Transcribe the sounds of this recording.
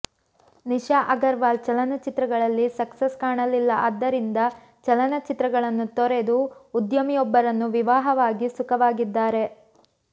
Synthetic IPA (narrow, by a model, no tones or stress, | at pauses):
niʃaʔɐɡɐɾʋaːlt͡ʃɐlɐnɐt͡ʃit̪ɾɐɡɐɭɐlːisɐkseskaːɳɐlilːɐʔaːd̪ːɐɾind̪ɐ | t͡ʃɐlɐnɐt͡ʃit̪ɾɐɡɐɭɐnːut̪ɔɾe̞d̪uud̪jɐmijɔbːɐɾɐnːuʋiʋaːɦɐʋaːɡisukɐʋaːɡid̪ːaːɾe̞